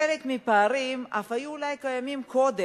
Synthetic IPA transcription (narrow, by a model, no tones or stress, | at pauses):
elekmipaːʁimʔafajuːlajkajamimkod̪e